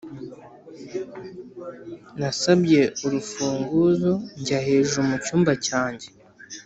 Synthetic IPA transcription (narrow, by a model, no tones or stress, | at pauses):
nasabje̞uɾufuːŋɡuzo̞ɲɟahe̞ːʒumucuːmbacaːɲɟe̞